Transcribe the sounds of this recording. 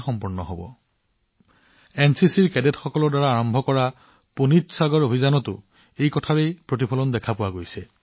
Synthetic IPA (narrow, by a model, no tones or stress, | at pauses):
xɔmpuɹnɔ̰ɦobɔ̰ | ɛnsisiɹkɛdetxɔkɔlɔɹdaɹaːɹɔmbʱɔkɔɹa | punitsaɡɔɹobʱizanɔtʊ̰ | ejkɔtʰaɹejpɹot̬ipʰɔlɔndɛkʰapʊwaɡojsɛ